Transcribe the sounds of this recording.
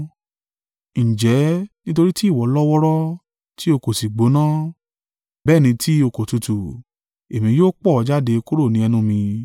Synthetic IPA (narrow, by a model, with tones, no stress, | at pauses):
ñ̩˨d͡ʒɛ˨˦nĩ˦t̬o˧ɾi˦ti˦˨wɔ˨˦lɔ˦wɔ˦ɾɔ˦ | ti˦o˧ko˨si˨ɡ͡bo˨˦nãː˦ | bɛː˦˨nĩ˧ti˦o˧ko˨tu˧tu˨ | e˨mĩ˧joː˦k͡pɔ˦˨˧d͡ʒa˦de˧ku˦ɾo˦˨nĩ˨˦ɛ˧nũ˧mĩ˧